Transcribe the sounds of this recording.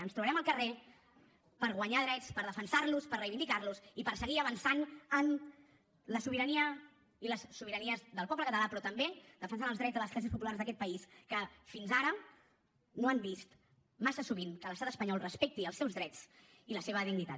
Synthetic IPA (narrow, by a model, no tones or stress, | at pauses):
ənst̪ɾuβəɾɛməlˠkəre | pəɾɣ̞wəɲaðɾɛt͡spəɾðəfənsaɾluspərəjβind̪ikaɾlusipəɾsəɣiəβənsanən | ləsuβiɾəniə | iləsːuβ̞iɾəniəzðəlˠpɔpləkət̪əlapɾɔt̪əmbed̪əfənsanəlˠzðɾɛd͡zzðələsklɛs̬iəspupulaɾzðəkɛt̪̚pəiskəfinzaɾə | noambist̪ | masəsuβinkələst̪at̪əspəɲɔlˠrəspɛk̚t̪iəlˠsɛwzðɾɛt͡s | iləseβəðiɣnit̪a̰t̪